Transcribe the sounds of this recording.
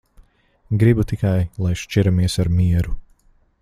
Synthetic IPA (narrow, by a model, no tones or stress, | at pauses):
ɡɾibut̪ikajlˠajʃt͡ʃiɾamiɛsaɾmiɛɾu